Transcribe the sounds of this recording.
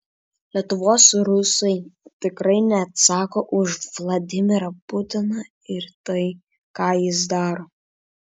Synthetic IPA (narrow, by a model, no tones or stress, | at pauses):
lʲiɛt̪ʊʋoːsɾʊsɐɪt̪ʲɪkɾɐɪnʲɛːt̪sɑːkoːʔʊʃʋlˠɐd̪ʲɪmʲɪɾɐpʊt̪ʲɪnɐ | ɪɾt̪ɐɪ | kɑːjɪs̬d̪ɑːɾoː